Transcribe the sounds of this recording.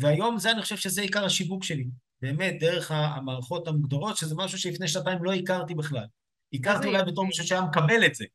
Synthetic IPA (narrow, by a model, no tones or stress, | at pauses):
veajo̞mzeanixχoʃevʃe̞zeikaʁhaʃivukʃe̞li | be̞ːme̞t̚d̪e̞ʁ̞e̞χa̰maːʁaχo̞t̪hamuɡd̪oʁo̞tʃezemaʃuʃelifne̞jʃnataimlo̞ikaʁt̪ibeχlal | ikaʁt̪iulajbeto̞ʁmiʃ̬uʃajamekabe̞le̞tz̥e